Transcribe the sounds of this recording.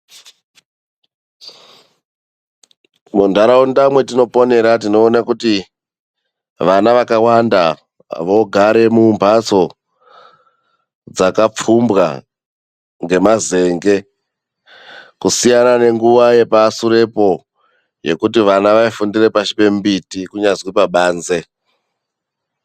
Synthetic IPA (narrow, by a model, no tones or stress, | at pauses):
mundʱaɾawundamwe̞tino̞po̞ne̞ɾatino̞ːnakuti | ʋanaʋakawanda | ʋo̞ɡʱaɾe̞mumbʱat͡so̞ | d͡zakap͡fumbɣa̰ | ŋɡe̞maze̞ːŋɡe̞ | kusijanane̞ŋɡuʋaje̞pasuɾe̞po̞ | je̞̰kutiʋanaʋaifundire̞paʃi̥pe̞mbitikuɲazwipaɓaːnze̞